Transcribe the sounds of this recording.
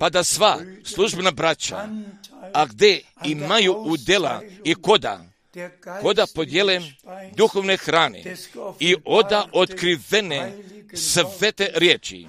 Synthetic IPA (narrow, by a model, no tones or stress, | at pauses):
pad̪asʋaslˠuʒbenabɾat͡ɕa̰ | aɡd̪eimajuud̪ela̰ikod̪a̰ | ko̞d̪apo̞d̪jelemd̪uxoʋne̞xɾaːnḛiʔo̞d̪aʔot̪kɾiʋenesʋet̪eɾjeːt͡ʃḭ